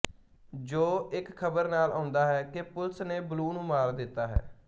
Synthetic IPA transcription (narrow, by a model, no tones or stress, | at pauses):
d͡ʒoːɪkkʰːəbəɾnaːlãːnd̪aːɦɛːkɪpʊlsneːbəluːnũːmaːɾd̪ɪt̪ːaːɦɛ̰ː